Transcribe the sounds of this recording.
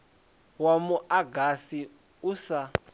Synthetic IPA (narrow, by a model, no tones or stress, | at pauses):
wamuʔaɡasi | usa